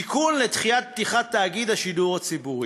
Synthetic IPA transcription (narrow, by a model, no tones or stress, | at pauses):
ikunlet̪χijat̪̚p̚t̪iχat̪ːaːɡid̪haʃiduʁat͡sibuʁi